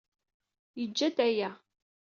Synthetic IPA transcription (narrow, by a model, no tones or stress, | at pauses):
jəd͡ʒːæd̪æjæ